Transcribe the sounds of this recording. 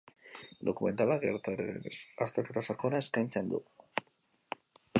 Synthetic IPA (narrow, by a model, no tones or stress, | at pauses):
d̪okumẽ̞nt̪alaɣeɾaaɾt̪et̪at̪asakonaeskanʲt͡ʃand̪ṵ